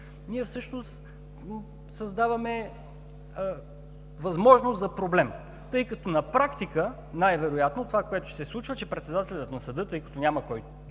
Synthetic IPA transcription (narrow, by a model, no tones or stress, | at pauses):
niɛfsɤʃnost̪ | sɐzd̪avɐmɛ | vɐzmɔʒnoszɐpɾoblɛm | t̪ɤjkɐt̪ɔnɐpɾakt̪ikə | najvɛɾojat̪not̪ovakoɛt̪ʊ̥sɛslˠut͡ʃvət͡ʃɛpɾɛt̪sɛd̪at̪ɛlʲət̪nɐsɐd̪ɤt̪ɤjkɐ̥t̪ɔnʲaməkɔj